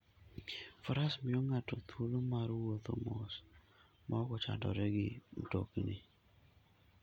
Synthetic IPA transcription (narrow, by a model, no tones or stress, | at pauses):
faɾasmɪoŋatɔt̪ʰwolomaɾwot̪o̰mos | mʔaɔkɔt͡ʃa̰dɔ̰ɾɛɡɪm̩to̰kinɪ